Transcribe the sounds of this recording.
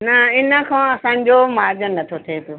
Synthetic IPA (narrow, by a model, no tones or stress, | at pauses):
nɐɪnə̆kʰãːɐsãːɲ̆d͡ʑomaːɾd͡ʑənɐt̪ʰot̪ʰepɪjoː